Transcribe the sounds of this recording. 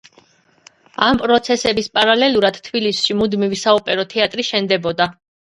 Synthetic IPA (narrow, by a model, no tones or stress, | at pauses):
ampʼɾɔt̪sʰɛsɛbispʼaɾalɛlˠuɾad̪̥t̪ʰbilisʃimud̪mivisaupʼɛɾɔt̪ʰɛat̪ʼɾiʃɛnd̪ɛbɔd̪a